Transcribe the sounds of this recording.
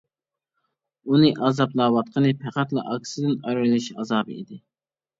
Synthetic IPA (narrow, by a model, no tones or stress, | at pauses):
unɨʔɑzɑplˠɑːwɑt̪̚qʰənɨpʰæqæt̪lˠɨ̰ʔɑkʲsɨd̪ɪnɑjɾɾlˠɪʃɑzɑːbɨid̪ɪ